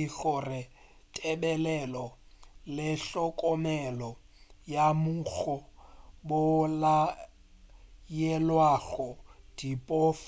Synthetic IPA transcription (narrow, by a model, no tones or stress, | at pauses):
iɬɔrɪ | tʼɛbɛlɛlɔ | lɪɬɔkʼɔmɛlɔ | jamuɣɔbʊla | jɛlwaɣɔd̥ipʼɔf